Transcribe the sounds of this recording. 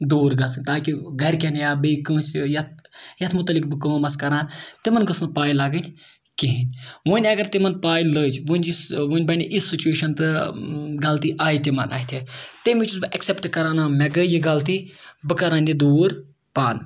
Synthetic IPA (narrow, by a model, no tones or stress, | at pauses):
d̪uːɾɡɐsɨnʲt̪aːkiɡɐɾʲkʲɐnjaːbəikɨ̃ːsʲjɐt̪̚ʰjɐt̪ʰmʊt̪ɐlikbɨkɨʋɐmɐskɐɾaːnt̪imɐnɡɐsɨnpaːjilaːɡənʲ | kiɦinʲʋunʲɐɡɐɾt̪imɐnpaːjləːt͡ʃʰʋunʲisʋunʲbɐnʲiʔisːit͡ʃueːʃɐnt̪ɨɡɐlt̪iʔaːjit̪imɐ̰nʔa̰ːjit̪ʰit̪emʲit͡ʃuzbɨʔɐksʲepʈkɐɾaːnaːmʲɛɡəjiɡɐlt̪̬ibɨkɐɾaːnʲid̪uːɾ | paːn